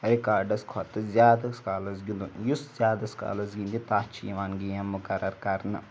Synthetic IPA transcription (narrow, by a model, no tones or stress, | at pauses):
ɾikaːɾɖɐskʰɔt̪ɨzʲjaːd̪ɐskaːlɐsɡilunjuszʲjaːd̪ɐska̰ːlɐzɡind̪it̪aːt͡ʃʰḭːʋaːnɡijɐmːukɐɾɐɾkɐɾnɐ